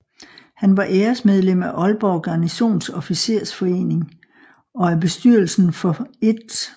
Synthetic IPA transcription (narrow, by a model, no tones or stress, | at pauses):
hænʋɑ̈ʔeːɐsmeð̞ˠlem̰æʔɒ̽lb̥ɒʊɡ̥ɑniso̝̰ːnsɒ̽fise̝ɐ̰sfɒ̽e̝̰ːne̝ŋ | ɒ̽æb̥e̝sd̥y̰ɐ̰l̩sn̩fɒ̽e̝d̥